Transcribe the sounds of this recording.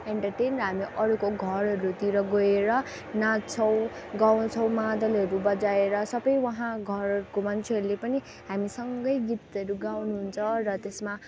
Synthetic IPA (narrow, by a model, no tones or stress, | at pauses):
eɳʈʌrʈenrʌɦamiʔʌɾukoɡʱʌɾɦʌɾut̪iɾʌɡoeɾʌ | nat͡sʰʌw̃ | ɡaw̃t͡sʰʌ̃w̃mad̪ʌlɦʌɾubʌd͡zaeɾʌsʌbʌjwʌɦãɡʱʌrkomant͡sʰeɦʌɾulepʌni | ɦamisʌŋɡʌjɡit̪ʌɾuɡawnuɦunt͡sʰʌrʌt̪esma